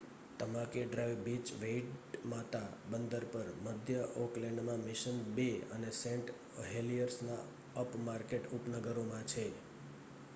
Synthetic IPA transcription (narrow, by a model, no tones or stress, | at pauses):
t̪əmãkeɖɾajʋbit͡ʃʋeiʈmat̪abənd̪əɾpəɾməd̪ʱjəoklɛɳɖmãmɪʃənbeənesẽɳʈ | ɦelijəɾsna | əpmaɾkeʈupnəɡəɾomãt͡ʃʰe